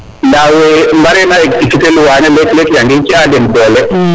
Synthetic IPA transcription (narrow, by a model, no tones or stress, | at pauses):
nawembaɾɛnaɛkdikitelʊwanɛlɛklɛkjaŋɡɪt͡ʃadɛnbɔlɛ